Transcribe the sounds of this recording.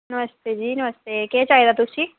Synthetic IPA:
nəʋəst̪eːd͡ʒiːnəʋəst̪ekɛːt͡ʃaːed̪aːt̪ʊsĩː

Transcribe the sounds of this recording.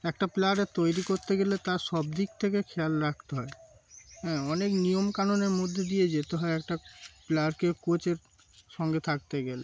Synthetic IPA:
ɛkʈaplaɾet̪ojɾikoɾt̪eɡelet̪aʃɔb̚d̪ik̚t̪ʰekekʰɛlɾak̚ʰt̪eɦɔeɦɛ̃ːɔneknijomkanoneɾmod̪ʱːed̪ied͡ʑet̪eɦɔeɛk̚ʈaplaɾkekot͡ɕeɾ | ʃɔŋɡet̪ʰak̚t̪eɡele

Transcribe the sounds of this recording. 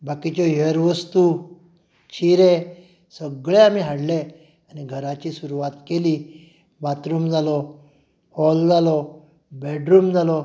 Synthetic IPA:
bakit͡ɕɔjəɾʋəst̪u | t͡ɕiɾe | səɡɭeam̤iɦaɽle | aniɡʱəɾat͡ɕiːsuɾuʋat̪keliː | bat̪ɾuːmd͡zalɔ | hɔld͡zalɔ | bɛɖɾuːmd͡zalɔ

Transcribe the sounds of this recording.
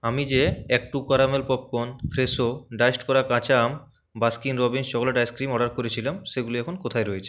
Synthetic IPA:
amid͡ʑeɛk̚ʈukaɾamelpɔp̚konpʰɾesoɖajsʈkɔɾakãt͡ɕam | baskinɾɔbinst͡ɕɔkʰoleɖajskɾimɔɖaɾkoɾet͡ɕʰilamʃeɡuliɛkʰonkot̪ʰaeɾoet͡ɕʰe̥

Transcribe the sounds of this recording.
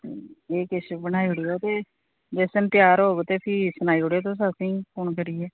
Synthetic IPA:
t̪eːeːkɪsbənaːiɽiːoːt̪eː | d͡ʒɛːsəmp̪jaːɾɦoːɡt̪eːpʰiːsənaːiːʊɽeːt̪̬os̬asĩːpʊɳkəɾiːɛː

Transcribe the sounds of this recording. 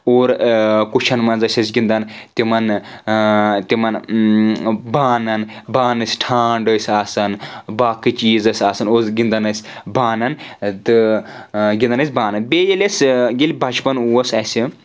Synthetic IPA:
oːɾkut͡ʃʰɐnmɐnzɐsʲɐsʲɡʲind̪ɐnt̪imɐn | t̪imɐn | baːnɐnbaːnɐsʲʈʰaːɳɖəsʲaːsɐnbaːkɨt͡ʃiːzɐsʲaːsɐnoːzɡind̪ɐnɐsʲbaːnɐnt̪ɨ | ɡʲind̪ɐnɐs̬ʲbaːnɐnbeːjɐlʲɐsʲɡilʲbʱɐt͡ʃpɐnuɐsɐsʲi

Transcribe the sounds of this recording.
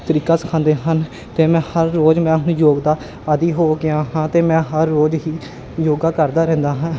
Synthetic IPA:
t̪əɾiːkaːsə̥kʰãːnd̪eːɦən | t̪eːmɛ̃ːhəɾːoːd͡ʒmɛ̃ːɦʊñjoːɡd̪aː | əd̪iːɦoːɡɪãːɦãːt̪eːmɛ̃ːɦəɾːoːd͡ʒɦiː | joːɡaːkəɾd̪aːɾɛ̃ːnd̪aːɦãː

